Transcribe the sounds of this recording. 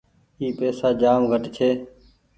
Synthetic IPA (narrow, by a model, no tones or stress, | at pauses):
iːpeːsaːd͡ʒaːmɡʱəʈt͡ʃʰeː